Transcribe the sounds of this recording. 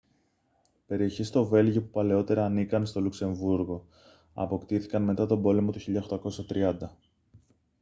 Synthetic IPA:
pe̞ɾio̞çist̪o̞ve̞lʝopupɐle̞o̞t̪e̞ɾɐːnikɐnst̪o̞lukse̞ɱvuɾɣo̞ | ɐ̰po̞kt̪iθikɐnme̞t̪ɐt̪o̞bo̞le̞mo̞t̪uçiʎɐoxt̪ɐko̞sɐt̪ɾiɐnd̪ɐ

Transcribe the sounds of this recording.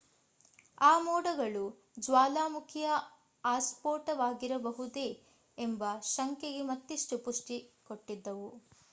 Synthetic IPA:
aːmɔːɽɐɡɐɭu | d͡ʒʋaːlaːmukʰijɐ | aːspoːʈɐʋaːɡiɾɐbɐɦud̪e̞ | embɐʃɐŋkeɡemɐt̪ːiʂʈupuʂʈikoʈːid̪ːɐʋu

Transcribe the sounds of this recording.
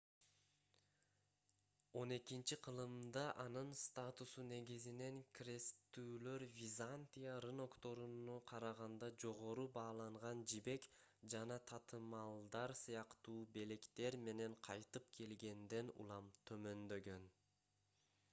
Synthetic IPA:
o̞ne̞kint͡ʃiqʰɯlˠɯmd̪ɑʔɑnɯnst̪at̪usune̞ɡizine̞ŋkrʲe̞st̪ːyːlø̞ɾvʲizanʲt̪ʲijarɯno̞kt̪o̞ɾunuqʰɑɾɑʁɑnd̪ɑd͡ʒo̞ʁo̞ɾubɑːlˠɑɴʁɑnd͡ʒibe̞kd͡ʒɑnɑt̪ʰɑt̪ɯmɑlˠd̪ɑɾsɯjɑqt̪uːbe̞le̞kt̪e̞ɾme̞ne̞ɴqʰɑjt̪ɯpkʰe̞lɡe̞nd̪e̞nṵlˠɑmt̪ʰø̞mø̞nd̪ø̞ɡø̞n

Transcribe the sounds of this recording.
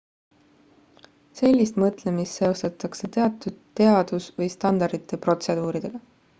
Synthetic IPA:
se̞lʲːist̪mɤt̪ˑle̞mist̪ːe̞o̞st̪ɑt̪ːˑɑkse̞t̪eɑt̪ːˑud̪̥t̪ːe̞ɑd̪̥usvɤjst̪ɑnd̪̥ɑɾd̪̥it̪ˑːe̞pro̞t̪se̞d̪̥uːɾid̪̥e̞ɡ̥ɑ

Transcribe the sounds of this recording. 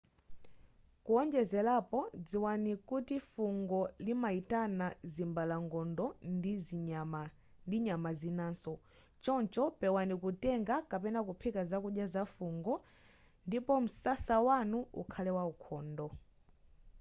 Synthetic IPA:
kuɔnd͡ʒɛzɛlapɔd͡ziwanikutifuŋɡɔlimaitanazimbalaŋɡɔndɔ | m | ndiɲamazinaːnsɔ | t͡ʃɔnt͡ʃɔpɛwanikutɛŋɡakapɛnakupʰikazakuɗjazafuŋɡɔ | ndipɔm̩sasawanuṵkʰalɛwaukʰɔːndɔ

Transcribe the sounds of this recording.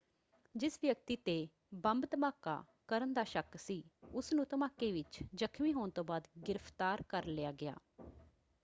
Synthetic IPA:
d͡ʒɪsʋjək̚t̪iːt̪eː | bəmbt̪əmaːka̰ː | kəɾənd̪aːʃəksiːʊsnũːt̪əmaːkːeːʋɪt͡ʃd͡ʒəkʰmiːɦoːnt̪õːbaːd̪ɡɪɾəpʰt̪aːɾkəɾlɪjaːɡɪa̰ː

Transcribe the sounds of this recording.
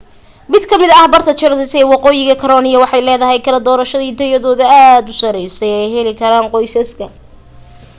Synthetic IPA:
mɪd̪kʰɐmɪðɐɐhbɐrt̪ʰɐt͡ʃɐɾɪsɛwɑqɔːjɪɣɐkʰɐɾɔːnɪjɐwɑħɑjlɛːðɐɦɛjkʰɐlɐd̪ɔːɾɐʃɐðiːt̪ʰɐjɐðɔːðɐaːd̪ʊsɐɾɛjsɛjɛjɦɛlɪkʰɐɾaːnqɔjsɐskʰɐ

